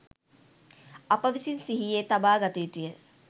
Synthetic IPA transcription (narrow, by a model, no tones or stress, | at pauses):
apəʋisinsiɦijeːt̪abaːɡat̪uit̪ujə